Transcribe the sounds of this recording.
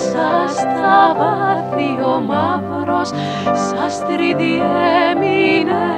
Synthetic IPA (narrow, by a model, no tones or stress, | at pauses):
sast̪avaðiomavɾos | sɐst̪ɾiðiɛmine